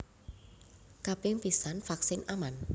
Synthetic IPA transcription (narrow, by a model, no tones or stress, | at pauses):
kapɪŋpisanfaksɪnʔaman